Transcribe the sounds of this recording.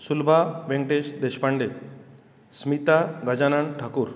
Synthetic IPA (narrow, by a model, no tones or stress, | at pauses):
sulbʱaʋeŋʈed͡ʑd̪eʃpaɳɖe | smit̪aɡɐd͡ʑanaɳʈʰakuɾ